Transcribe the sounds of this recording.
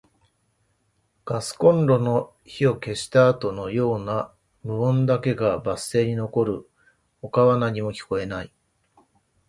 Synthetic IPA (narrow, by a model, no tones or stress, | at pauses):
ɡ̥asɨ̥kõ̞nɾo̞no̞ | çio̞ke̞ɕi̥t̪aːt̪o̞no̞jo̞ːna | mɯ̟õ̞nd̪ake̞ɡabase̞ːɲ̟ino̞ko̞ɾɯ̟ | o̞kaβanaɲ̟imo̞kʲi̥ko̞e̞nai